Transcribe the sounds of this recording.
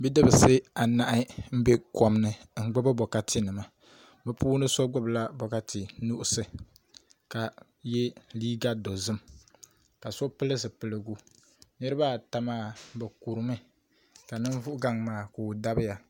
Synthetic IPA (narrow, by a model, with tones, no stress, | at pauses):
bi˦dɨ˦bɨ˨sɨ˦a˨na˨ʔɪ˦m̩˦be˦kɔ˨mnɨ˨ŋ̩˦ɡ͡bɨ˦bɨ˦bɔ˨ka˦tʰi˦nɨ˨ma˨ | bɛ˦pʰuː˦nɨ˦so˦ɡ͡bɨ˦bla˦bɔ˨ka˦ti˨nu˦ʔʊ˦sɨ˨ | ka˨ | jɛ˦liː˦ɡa˦do˨zɨ˦m | ka˨sɔ˦pɨ˦lɨ˦sɨ˨pɨ˨lɨ˨ɡu˦ | nɨ˦ɾɨ˦ba˦˨ta˨maː˦bɛ˨ku˨ɾɨ˨mɨ˦ | ka˨nɨ˦n˦vʊ˦ʔɡa˨ŋmaː˨ku˨da˦bɨ˦ja˨